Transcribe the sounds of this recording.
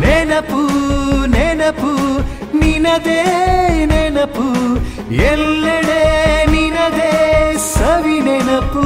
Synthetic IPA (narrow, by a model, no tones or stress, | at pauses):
nenɐpːuneːnɐpu | ninɐd̪eneːnɐpu | ɛlːeɽeninɐd̪esɐʋineːnɐpːu